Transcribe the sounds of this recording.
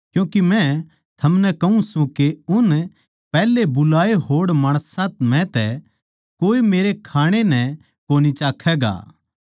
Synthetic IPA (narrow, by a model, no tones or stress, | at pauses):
kjũːkimɛ̃ | t̪ʰɐmnɛkɐũsũkeʊn | pɛːlːebʊlaːeɦoːɽmaːɽ̃əsãt̪mɛ̃t̪ɛ | koːimeːɾekʰaːɽ̃enɛ̃ | koːnit͡ʃaːkʰːɛːɡa̰ː